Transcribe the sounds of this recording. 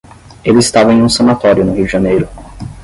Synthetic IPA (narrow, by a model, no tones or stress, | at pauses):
elɪist̪avɐẽj̃ũsɐnat̪ɔɾjʊnʊhiwd͡ʒɪʒɐnejɾʊ